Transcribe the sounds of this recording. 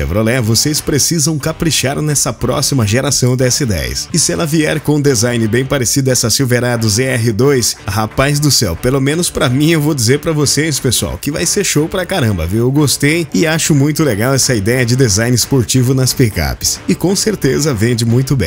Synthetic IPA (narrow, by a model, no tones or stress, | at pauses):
ḛvɾolɛvosespɾesizɐ̃w̃kapɾiʃaɾnɛsɐpɾɔ̰simɐʒeɾasɐ̃w̃d̪ɛsid̪ɛ̰jɐ̰sɪsɪɛlɐviɛɾkõd̪ezajnɪbẽj̃paɾesid̪ɐɛsɐsiwveɾad̪ʊzeɛɦɪd̪ojshapazd̪ʊsɛwpelomẽnʊspɾɐmĩewvod͡ʒizeɾpɾɐvosespesua̰wkɪva̰jseɾʃowpɾɐkaɾɐ̃mbɐ̰vewewɡost̪ejɪaʃʊmũj̃t̪ʊleɡawɛsɐid̪ɛjɐd͡ʒɪd̪ezajnɪspoɾt͡ʃivʊnɐspeka̰pɪ̥sɪkõseɾt̪ezɐvẽnd͡ʒɪmũj̃t̪ʊbẽj̃